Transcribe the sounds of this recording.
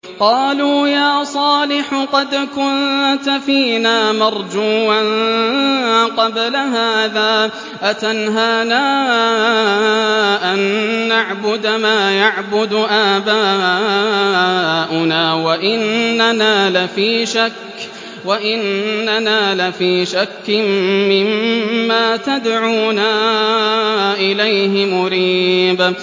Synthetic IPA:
qɑːluːjaːsˤɑːlɪħʊqɑd̪kʊnt̪afiːnaːmɑɾˤd͡ʒuːʔan | qɑblaɦaːðaː | ʔat̪anɦaːnaː | ʔanːaʕbʊd̪maːjaʕbʊd̪ʔaːbaː | ʔʊnaːwaʔɪnːanaːlafiːʃakː | waʔɪnːanaːlafiːʃakːɪmmɪmːaːt̪ad̪ʕuːnaː | ʔɪlajɦɪmʊɾiːb

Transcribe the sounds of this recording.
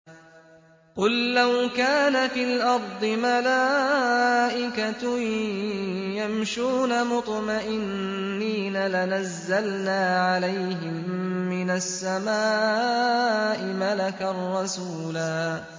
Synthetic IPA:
qʊlːawkaːnafiːlʔɑɾˤd̪ˤɨmalaː | ʔɪkat̪ | jamʃuːnamʊt̪ˤmaʔɪnː | iːnalanazːalnaːʕalajɦɪmːɪnasːamaː | ʔɪmalakarˤːɑsuːlaː

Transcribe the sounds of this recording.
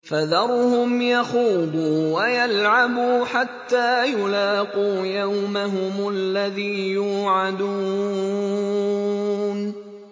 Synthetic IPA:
faðɑɾˤhʊmjɑxuːd̪ˤuːwajalʕabuːħat̪ːaːjʊlaːquːjawmaɦʊmʊʔlːaðiːjuːʕad̪u | n

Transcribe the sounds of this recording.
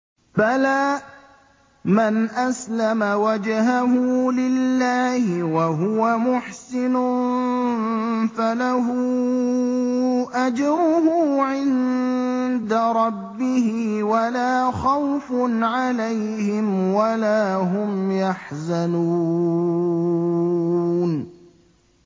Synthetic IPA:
balaː | manʔaslamawad͡ʒhaɦʊːlɪlːaːhɪwaɦʊwamʊħsɪnʊ | falaɦu | ʔad͡ʒɾʊhʊʕɪn | d̪aɾˤɑbːɪhɪwalaːxawfʊnʕalajhɪmwalaːɦʊmjaħzanu | n

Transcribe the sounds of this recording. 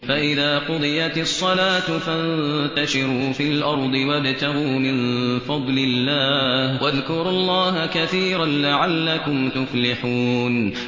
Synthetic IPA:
faʔɪðaːqʊd̪ˤɨjat̪ɑsˤːɑlaːt̪fant̪aʃɪɾuːfilʔɑɾˤd̪ˤɨwabt̪aɣuːmɪnfɑd̪ˤlɪlːaːhwʔaðkʊɾʊlˤːɑːɦakaθiːɾanlaʕalːakʊmt̪ʊflɪħuːn

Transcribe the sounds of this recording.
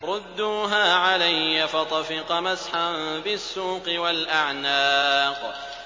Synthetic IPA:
ɾˤʊd̪ːuːɦaːʕalajːafɑt̪ˤɑfɪqɑmasħanbɪsːuːqɨwalʔaʕnaːq

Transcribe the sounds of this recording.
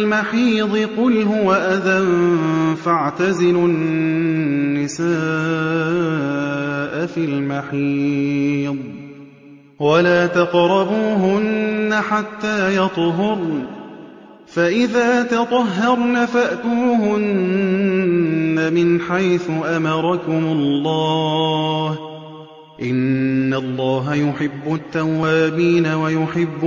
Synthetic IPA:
lmaħiːd̪ˤɨqʊlɦʊwaʔaða | faʕt̪azɪlʊnː | ɪsaː | ʔafilmaħiː | d̪ˤ | walaːt̪ɑqɾˤɑbuːɦʊnːaħat̪ːaːjɑt̪ˤɦʊɾ | faʔɪðaːt̪ɑt̪ˤɑɦːɑɾˤnafaʔt̪uːɦʊn | amɪnħajθʊʔamɑɾˤɑkʊmʊlːɑː | h | ʔɪnːalˤːɑːɦajʊħɪbːʊt̪ːawːaːbiːnawajʊħɪbː

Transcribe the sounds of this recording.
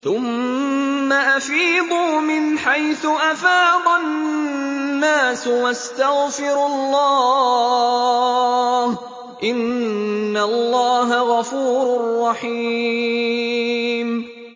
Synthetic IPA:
θʊmː | aʔafiːd̪ˤuːmɪnħajθʊʔafɑːd̪ˤɑ | aːswast̪aɣfɪɾlːɑː | h | ʔɪnː | alːɑːɦaɣɑfuːɾʊrːɑħiː | m

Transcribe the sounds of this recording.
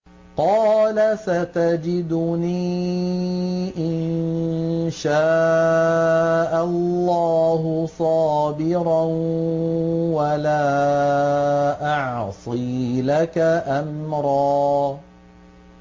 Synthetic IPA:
qɑːlasat̪ad͡ʒɪd̪ʊniː | ʔɪn | ʃaː | ʔalːɑːhʊsˤɑːbɪɾa | walaː | ʔɑʕsˤiːlakaʔamɾˤɑː

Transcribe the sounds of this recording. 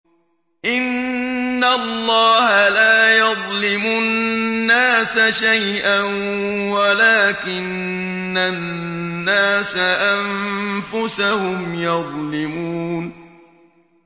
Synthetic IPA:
ʔɪnː | alːɑːhalaːjɑðˤlɪmʊnːaːsaʃaj | ʔan | walaːkɪnː | anːaːsaʔamfʊsahʊmjɑðˤlɪmuːn

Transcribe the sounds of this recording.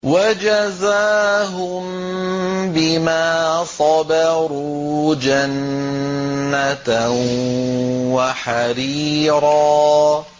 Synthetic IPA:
wad͡ʒazaːɦʊm | bɪmaːsˤɑbɑɾuːd͡ʒanː | at̪ | waħaɾiːɾɑː

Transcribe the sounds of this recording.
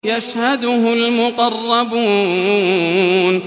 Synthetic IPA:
jaʃhad̪ʊhʊlmʊqɑrˤːɑbuː | n

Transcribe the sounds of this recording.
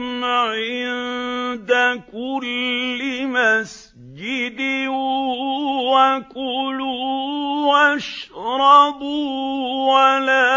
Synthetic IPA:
mʕɪnd̪akʊlːɪmas | d͡ʒɪd̪ɪ | wakʊlu | wʔaʃɾˤɑb | walaː

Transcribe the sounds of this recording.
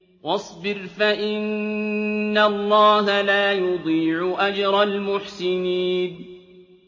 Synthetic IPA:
wɑsˤbɪɾfaʔɪnː | alˤːɑːɦalaːjʊd̪ˤiːʕʊʔad͡ʒɾˤɑlmʊħsɪniːn

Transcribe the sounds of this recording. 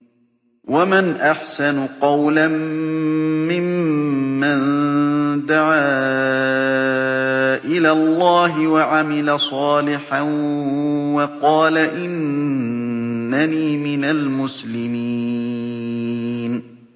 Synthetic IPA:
wamanʔaħsanʊqɑwlamː | ɪmː | an | d̪aʕaː | ʔɪlaːlˤːɑːɦɪwaʕamɪlasˤɑːlɪħan | wɑqɑːlaʔɪn | aniːmɪnalmʊslɪmi | n

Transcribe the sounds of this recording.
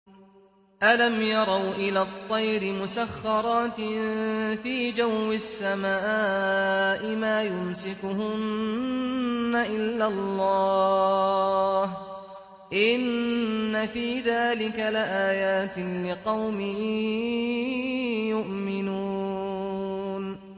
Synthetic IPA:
ʔalamjɑɾˤɑwʔɪlaːt̪ˤːɑjɾɪmʊsaxːɑɾˤɑːt̪ɪ | fiːd͡ʒawːɪsːamaːʔɪmaːjʊmsɪkʊhʊn | aʔɪlːalːɑː | h | ʔɪnːafiːðaːlɪkalɪʔaːjaːt̪lɪqɑwmɪhi | jʊʔmɪnuː | n

